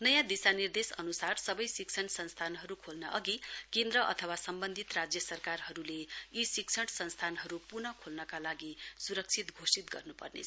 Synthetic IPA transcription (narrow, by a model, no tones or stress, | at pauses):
nʌjãd̪isanird̪esʌnusarsʌbʌjsik̚t͡sʰʌɳsʌnst̪ʰanɦʌɾukʰolnʌʔʌɡikend̪ɾʌʔʌ̰t̪ʰʌwasʌmbʌnd̪ʱit̪rad͡zjʌsʌrkarɦʌɾuleisik̚t͡sʰʌʈsʌnst̪ʰanɦʌɾupurnʌkʰolnʌkalaɡisuɾʌk̚t͡sʰit̪ɡʱosit̪ɡʌrnupʌ̰rnḛ